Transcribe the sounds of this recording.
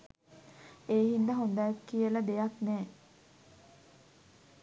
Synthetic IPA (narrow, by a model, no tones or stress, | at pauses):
eːɦind̪əɦond̪ajakːijələd̪ejaknɛː